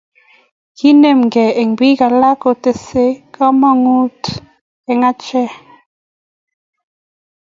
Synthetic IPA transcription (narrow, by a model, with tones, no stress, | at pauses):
ki˦ne˨m˨ɡɛ˨e˨ŋbi˦ka˨la˦ko˨te˨se˦ka˦ma˦ŋu˦t | ɛ˨ŋa˦t͡ʃɛ˦˨